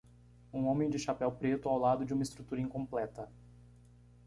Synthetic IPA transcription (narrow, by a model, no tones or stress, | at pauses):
ũõmẽj̃d͡ʒɪʃapɛwpɾet̪ʊawlad̪ʊd͡ʒɪũmɐɪst̪ɾut̪uɾɐĩŋkõmplɛt̪ɐ